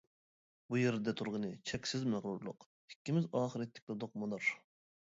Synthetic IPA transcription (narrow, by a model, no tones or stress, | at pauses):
bujeɾd̪ɛt̪ʰuɾʁənɨt͡ʃʰɛkʲsɪzmæʁɾuɾlˠʊq | hɪ̥kʲːimɪzɑːχəɾɛt̪ʰːɪ̥kʲlɨd̪ʊq̚mɨd̪uɾ